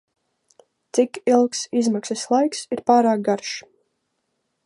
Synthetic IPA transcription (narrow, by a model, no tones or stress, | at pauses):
t̪sikilˠksizmaksɛslˠajksiɾpaːɾaːk̚ɡaɾʃ